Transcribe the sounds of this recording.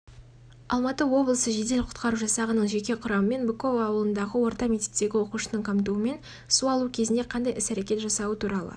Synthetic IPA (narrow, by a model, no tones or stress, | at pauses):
ɑ̰lˠmɑt̪əwo̞blˠəsəʒe̞d̪e̞lqʰʊ̥t̪qɑɾuʒɑsɑʁənəɴʒe̞kʲe̞qʰʊɾɑməme̞nbeko̞vaːwəlˠənd̪ɑʁəwo̞ɾt̪ɑmʲet̪et̪ːe̞ɡʲɪwo̞quʃənəɴqʰɑmt̪uəme̞n | suɑlˠukʲʰe̞zɪnd̪e̞qʰɑnd̪ɑjɪsæɾekʲe̞t̪ʒɑsɑwət̪ʰuɾɑlˠə̰